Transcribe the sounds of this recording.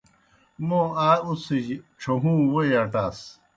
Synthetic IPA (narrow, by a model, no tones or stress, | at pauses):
mõaːusid͡ʑʈ͡ʂʰoɦũːwojɐʈaːs